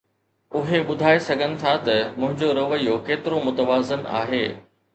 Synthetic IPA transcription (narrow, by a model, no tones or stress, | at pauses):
ʊɦeɓʊd̪ʱaːesɐɡʱənɪ̆t̪ʰat̪ɐmʊ̃ɦɪ̃ɲd͡ʑoɾɐʋəijokeːt̪ɪɾomʊt̪əʋaːzəna̰ːɦeː